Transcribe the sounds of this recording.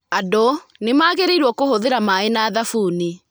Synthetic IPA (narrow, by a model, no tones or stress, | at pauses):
adonemaːɣeɾeiɾwɔkohoðeɾamaenaːðafuːni